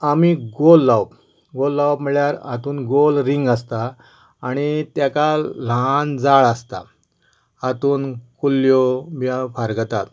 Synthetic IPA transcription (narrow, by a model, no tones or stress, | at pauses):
amiɡolːawp | ɡolːawbm̤iɭjaɾat̪uːnɡolɾiŋɡast̪aː | ɽ̃it̪jakaland͡zaɭast̪a̰ | at̪uːnkulːjobafaɾɡət̪at̪